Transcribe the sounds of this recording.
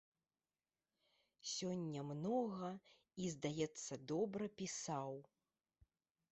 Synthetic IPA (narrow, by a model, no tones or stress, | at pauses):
sʲɔnʲːɐmnɔɣɐ | izd̪ajɛt̪sːɐd̪ɔbɾɐpʲisaw